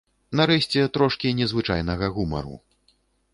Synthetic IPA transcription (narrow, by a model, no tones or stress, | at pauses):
naɾɛɕʲt͡sʲɛt̪ɾɔʂkʲinʲɛzvɨt͡ʂa̰jn̪ɐɣɐɣumɐ̰ɾṵ